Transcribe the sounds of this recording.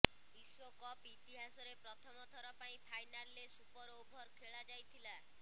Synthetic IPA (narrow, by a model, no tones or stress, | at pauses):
biswɔkɔpit̪iɦasɔɾepɾɔt̪ʰɔmɔt̪ʰɔɾɔpaĩpʰajnalːesupɔɾowbʱɔɾkʰeɭad͡ʒajt̪ʰila